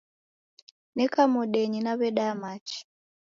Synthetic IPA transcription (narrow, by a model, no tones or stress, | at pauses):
nɛkamoɗeɲinaβɛɗamat͡ʃi̥